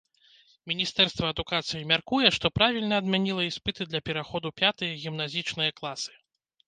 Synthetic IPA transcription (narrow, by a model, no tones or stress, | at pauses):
mʲinʲist̪ɛrst̪vɐːd̪ukat̪sɨjimʲarkujɛʂt̪ɔpɾavʲilʲnɐːd̪mʲanʲilˠɐispɨt̪ɨd̪lʲɐpʲɛɾaxɔd̪upʲat̪ɨjɐɣʲimnazʲit͡ʂnɨjɐklˠasɨ̥